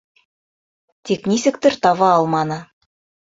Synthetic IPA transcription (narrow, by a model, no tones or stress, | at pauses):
t̪ʰʲeknʲisʲɘkt̪ɘɾt̪ɑβɑɑlˠmɑnɤ